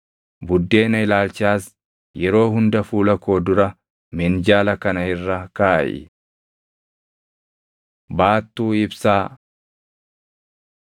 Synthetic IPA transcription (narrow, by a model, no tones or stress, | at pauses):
bʊd̪ːe̞ːnɐɪlaːlt͡ʃɪaːs | jɛɾo̞ːɦʊnd̪ɐfuːlɐko̞ːd̪ʊɾɐ | mɛnd͡ʒaːlɐkɐnɐhɪrːɐka̰ːʔɪ̰ | baːt̪ːuːɪbsaː